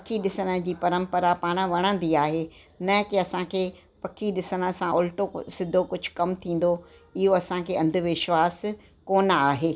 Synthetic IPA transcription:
ɐkʰiɗɪsənə̆d͡ʑiːpɐɾə̃mpəɾapaːɽ̃ə̆ʋɐɽ̃ə̃n̆d̪iaːɦe | nɐkiɐsãkʰeː | pɐkʰiɗɪsənə̆sãʔʊlʈosɪd̪ʱokʊd͡ʑʱʊ̥̆kɐmt̪ʰĩːn̆d̪o | ɪɦoɐsãkʰeːɐ̃nd̪ʱʊ̆ʋɪʃʋaːs | koːnaːɦeː

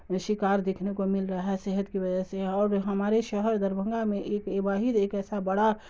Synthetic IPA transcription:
ʃɪkaːɾd̪eːkʰnekomɪlɾəɦɦaɛseɦət̪kiʋɐd͡ʒɛseɔːɾɦɐmaːɾeʃəɦəɾd̪əɾbʱə̃ŋɡamẽʔeːkebaːɦid̪eːkɛːsabəɽa

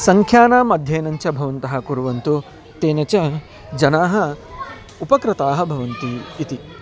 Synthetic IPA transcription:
sɐŋkʰjaːnaːmɐd̪ʱjeːnɐɲt͡ʃɐbʱɐʋɐnt̪ɐɦɐ̆kuɾuʋɐnt̪u | t̪eːnɐt͡ʃɐ | d͡ʒɐnaːɦɐ̆ | upɐkɾɪt̪aːɦɐ̆bʱɐʋɐnt̪iːt̪i

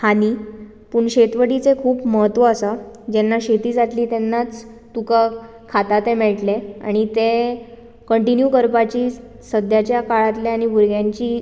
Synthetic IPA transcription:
haniː | puɳɕet̪ʋəɽit͡sekʰuːpməɦət̪ːʋəːsad͡ʑenːaɕet̪iːd͡zat̪liːt̪enːat͡s | t̪uka | kʰat̪at̪emɛɭʈlea̰ɽ̃it̪e | kəɳʈinjukəɾpat͡ɕiː | səd̪ʱjat͡ɕjakaɭat̪leaɽ̃ibʱuɾɡjãɲt͡ɕiː

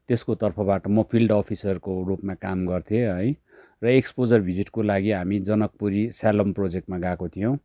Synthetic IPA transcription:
t̪eskot̪ʌrpʰʌbaʈʌmʌpʰilɖʌpʰisʌrkorupmakamɡʌrt̪ʰijeɦʌj | rʌekspod͡zʌrbʱid͡ziʈkolaɡiɦamid͡zʌnʌk̚puɾisalomprod͡zek̚ʈmaɡakot̪ʰijõw̃

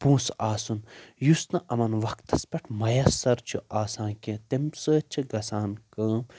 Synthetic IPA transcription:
pũːsaːsunjusnɐʔɐmɐnʋɐkt̪ɐspʲɐʈʰmɐjɐsːɐɾt͡ʃʰuʔaːsãːkʲẽt̪emsəːt͡ʃʰiɡɐsaːnkɐːm

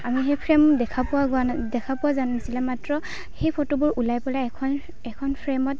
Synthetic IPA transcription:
amiɦepʰɹɛmdɛkʰapʊwaɡadɛkʰapʊwazanasilɛmatɹɔ | xejpʰotobʊɹʔulajpɔlakʰɔn | ɛkʰɔnpʰɹɛmɔt

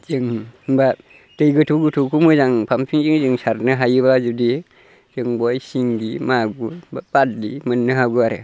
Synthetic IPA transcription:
zɯŋba | tɯjɡɯtʰuɡutʰukʰumɯzaŋpʰampʰiŋziŋzɯŋsaɾnɯɦajɯβazudi | zɯŋbɔjsiŋɡimaɡubabat̚limɯnːɯɦaɡuaɾḛ

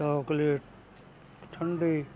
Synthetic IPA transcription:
aːkle | ʈʰəɳɖi

